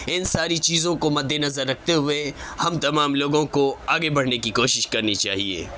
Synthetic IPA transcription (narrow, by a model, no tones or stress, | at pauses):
ɪnsaːɾit͡ʃiːzõkomɐd̪ʱːenɐzəɾːɐk̚ʰt̪eɦʊehɐmt̪ɐmaːmloːɡõkoaːɡebɐɽ̤nekikoːʃɪʃkɐɾnit͡ʃaːɦiḛː